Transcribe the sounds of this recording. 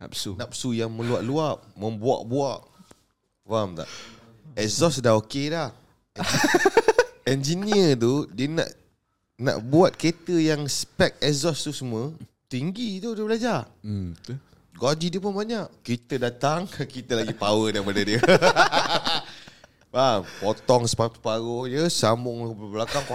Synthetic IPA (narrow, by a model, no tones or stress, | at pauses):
na̰p̚sunap̚sujaŋmə̃luaʔluaʔ̚mə̃mbua̰ʔbuaʔ | vamt̪a̰ʔ | ɛzɔsdaɦokelah | ɛnd͡ʒiniət̪̬udiəna̰ʔ | na̰ʔbuat̪̚ket̪əjaŋspɛk̚ɛzɔst̪usəmə | t̪iŋɡit̪udiəbəlad͡ʒa | ɡad͡ʒidiəp̬ʊnbaɲaʔkit̪ədat̪aŋkit̪əlaɡipawədaɾipadədiə | ampot̪ɔŋspaspaɾojəsamʊŋbəlakaŋkɔ